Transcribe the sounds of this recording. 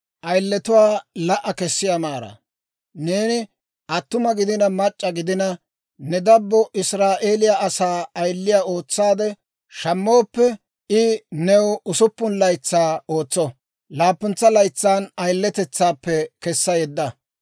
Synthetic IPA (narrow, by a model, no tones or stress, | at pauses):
ʔɐjlːɛt̪ʊwaːlɐʔɐkɛsːɪjamaːɾɐ̰ | neːnɪ | ʔɐt̪ːʊmɐɡɪd̪ɪnɐmɐt͡ʃʼːɐɡɪd̪ɪnɐ | nɛd̪ɐbːɔʔɪsɾaːʔe̞ːlɪjaɐsaːɐjlːɪjaːo̞ːt͡sːaːd̪ɛ | ʃɐmːo̞ːpːɛ | ɪnɛwʊsʊpːʊnlɐjt͡sːaːo̞ːt͡sːɔ | laːpːʊnt͡sːɐlɐjt͡sːaːnɐjlːɛt̪ɛt͡sːaːpːɛkɛsːɐjɛd̪ːɐ